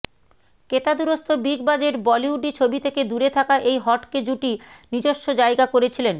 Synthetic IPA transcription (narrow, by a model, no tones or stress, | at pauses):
ket̪ad̪uɾost̪ʰobiɡbad͡ʑeɾbɔliuɖit͡ɕʰobit̪ʰeked̪uɾet̪ʰakaʔejɦɔʈked͡ʑuʈinid͡ʑoʃːod͡ʑajɡakoɾet͡ɕʰilen